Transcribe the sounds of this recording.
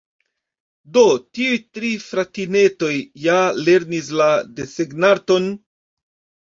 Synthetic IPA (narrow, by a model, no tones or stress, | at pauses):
do̞tiujtɾifɾatine̞to̞jːale̞ɾnis̬ladeseɡnato̞n